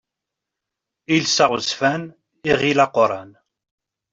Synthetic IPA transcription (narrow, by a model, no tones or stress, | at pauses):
ilsaʁəzfæn | iʁilɑqoɾˤɑn